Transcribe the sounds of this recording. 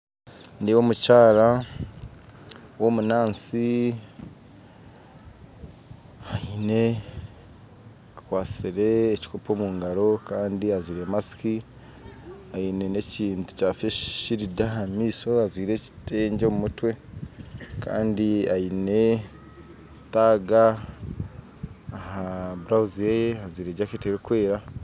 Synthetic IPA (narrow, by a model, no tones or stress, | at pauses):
niwo̞ːmucaːɾa | wo̞munaːnsi | haine̞ | akwaːt͡siɾe̞ːci̥kʰopo̞ːmuːŋɡaɾo̞kaːndiazwiːɾe̞masi̥ki | ajine̞ne̞ciːntu̥caːfeʃiɾidahamiːso̞azwiːɾe̞ci̥te̞ːɲɟomumutwe̞ | ka̰ːndiajine̞ | taɡa | haβuɾawuzijejehazwiːɾe̞ːɟaketeɾekwe̞ːɾa